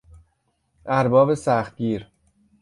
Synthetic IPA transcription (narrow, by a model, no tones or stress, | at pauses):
ʔæɾbɒːbe̞sæxt̪̚ɟiːɾ